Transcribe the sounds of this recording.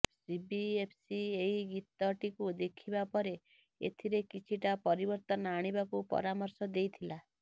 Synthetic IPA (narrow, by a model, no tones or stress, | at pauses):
sibiepʰsieiɡit̪ɔʈikud̪ekʰibapɔɾe | ḛt̪ʰiɾekit͡ʃʰiʈapɔɾibɔɾt̪ɔnɔaɽ̃ibakupɔ̰ɾamɔɾsɔd̪ejt̪ʰila